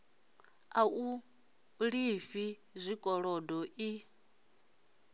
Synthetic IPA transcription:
au | ɺifi | zʷikʼɔɺɔdɔʔi

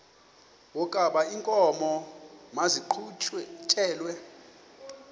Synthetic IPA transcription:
wɔkʼaɓaiŋkʼɔmɔmaziǃʰtʰɛːlwɛ

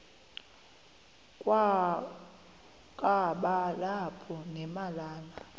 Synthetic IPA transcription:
kʼw | kʼaɓalapʰɔnɛmalaːla

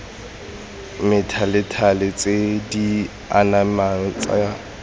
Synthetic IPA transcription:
mɪtʰalɪtʰalɪt͡sʼedi | anaman̩t͡sʼa̰ja

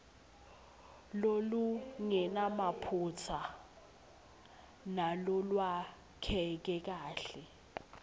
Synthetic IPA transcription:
loluŋɛnamapʰut͡sʰa | nalulwa | kʰɛk̬ɛk̬aːɬɛ

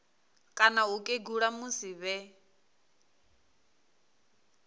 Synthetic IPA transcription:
kʼanaɦukʼeɡuɺamusiβɛ

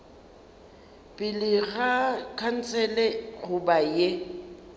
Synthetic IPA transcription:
pʼɪlɪɣakʰan̩t͡sʰʼɛlɛɣʊbaje

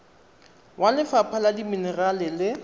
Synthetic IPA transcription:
wʔalɪfapʰaladiminɛralɪlɪ

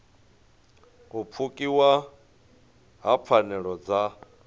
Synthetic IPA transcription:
up̪fʰukʼiwa | ɦap̪fʰanɛɺɔd͡za

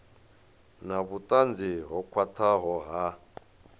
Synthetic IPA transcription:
naβutʼand͡ziɦɔkʰwatʰaɦɔɦa

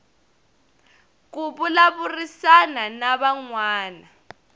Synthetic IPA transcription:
k̬uɓulaβurisananaβaŋwaːna

